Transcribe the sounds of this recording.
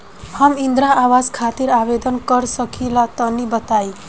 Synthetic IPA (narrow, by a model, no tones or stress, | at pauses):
hamĩnd̪ɾãaʋazkʰaːt̪iɾaʋed̪ənkəɾsəkʰilat̪ɔnibət̪ai